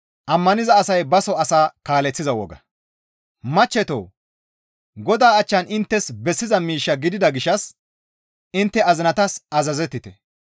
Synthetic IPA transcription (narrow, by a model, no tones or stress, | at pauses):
ʔɐmːɐnɪzɐːsɐjbɐsɔɐsaːkaːlɛt͡sːɪzɐwɔ̰ɡɐ̰ | mɐt͡ʃːɛt̪o̰ː | ɡɔd̪aːɐt͡ʃːɐnɪnt̪ːɛsbɛsːɪzɐmiːʃːɐɡɪd̪ɪd̪ɐɡɪʃɐs | ɪnt̪ːɛɐzɪnɐt̪ɐsɐzɐzɛt̪ːɪt̪ɛ